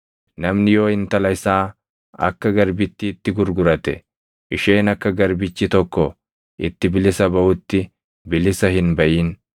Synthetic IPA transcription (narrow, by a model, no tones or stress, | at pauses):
nɐmnɪjo̞ːɪnt̪ɐlɐɪsaː | ɐ̰kːɐɡɐɾbɪt̪ːɪːt̪ːɪɡʊɾɡʊɾɐt̪ɛ | ʔɪʃe̞ːnɐkːɐɡɐɾbɪt͡ʃːɪt̪ɔkːɔ | ɪt̪ːɪbɪlɪsɐbɐʔʊt̪ːɪ | bɪlɪsɐhɪnbɐʔiːn